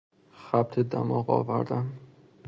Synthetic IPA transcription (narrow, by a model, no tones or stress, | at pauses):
xæb̚t̪ʰed̪æ̰mɒːɣɒ̰ːvæ̰ɾd̪æm